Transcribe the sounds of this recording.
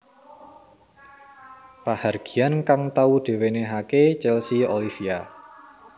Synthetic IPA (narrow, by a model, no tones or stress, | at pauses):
paharɡ̥i̤ankaŋt̪aud̥e̤weneɦaket͡ʃɛlsiolifia